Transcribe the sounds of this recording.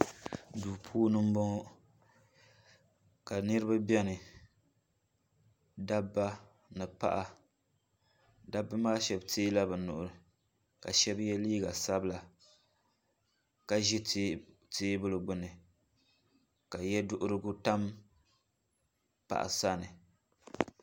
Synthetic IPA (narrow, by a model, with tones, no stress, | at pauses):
duː˨pʰuː˦nɨ˦m̩˦bɔ˦ŋ˦ | ka˨nɨ˦ɾɨ˦ba˦bɛ˦nɨ˨ | da˦bːa˦ | nɨ˨pa̰˦ʔa˨ | da˦bːa˦maː˦ʃɛ˦btʰeː˦la˦bɨ˨nʊ˨ʔʊ˨ɾɨ˨ | ka̰˨ʃɛ˦bjɛ˦liː˦ɡa˨sa˦bla˨ | ka˨ʒi˦ | teː˦bɨ˦lɨ˨ɡ͡bʊ˦nɨ˨ | ka˨jɛ˦dʊ˦ʔʊ˦ɾɨ˦ɡʊ˦ta˦m | pa̰˨ʔa̰˨sa˦nɨ˨